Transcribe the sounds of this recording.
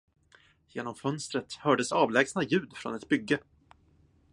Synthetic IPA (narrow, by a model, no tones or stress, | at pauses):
jeːnɔmfœnst̪ɾət̪hœːɖəsɑːvlɛːɡsnajʉ̟ːd̪fɾɔ̰nɛt̪bʏɡːə